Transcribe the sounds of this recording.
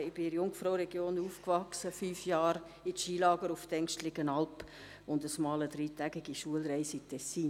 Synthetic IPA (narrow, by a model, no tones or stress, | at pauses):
ɪb̥ɪɾjʊŋfɾoʊɾɛɡ̥joːnuːfkvɑksəfyːfjɑːɾ | ɪtʃiːlɑːɡəɾʊftɛŋkʃtlɪɡənɑlp | ʊndəsmɑːləd̥ɾiːtæɡɪɡiʃuəlɾɛɪsitʰɛsiːn